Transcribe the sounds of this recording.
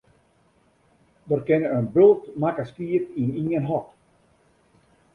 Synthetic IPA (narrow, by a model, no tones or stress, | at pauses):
dərkɪnəənbølˠtmakəskiətiniənɦɔt